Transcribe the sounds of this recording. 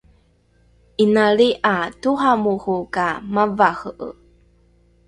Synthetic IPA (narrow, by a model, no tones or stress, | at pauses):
ʔinaɭiʔatuhamuxukamavaxəʔə̰